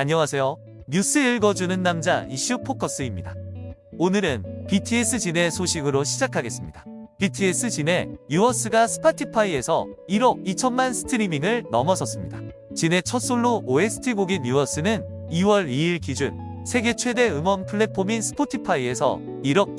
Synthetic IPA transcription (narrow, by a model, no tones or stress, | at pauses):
aɲʌwasʰe̞jo | ɲus͈ʰɯiɭɡʌd͡ʑunɯnːamd͡ʑaiɕ͈ʰupʰokʰʌs͈ɯimɲidaonɯɾɯnpitʰies͈ɯd͡ʑine̞sʰoɕʰiɡɯɾoɕʰid͡ʑakʰaɡe̞s͈ɯmɲid̥ḁpitʰies͈ɯt͡ɕine̞juʌs͈ɯɡasʰɯ̥pʰatʰipʰaie̞sʰʌiɾʌɡ̚it͡ɕʰʌnmansʰɯ̥tʰɯɾimiŋɯɭnʌmʌsʰʌs͈ɯmɲida | t͡ɕine̞t͡ɕʰʌs͈oɭːooe̞sʰɯ̥tʰiɡoɡinjuʌs͈ɯnɯn | iwʌɾiːɭkid͡ʑun | sʰe̞ɡe̞t͡ɕʰwe̞de̞ɯmʌnpʰɯɭːe̞pʰːominsʰɯ̥pʰotʰipʰaie̞sʰʌ̰ | iɾʌɡ̚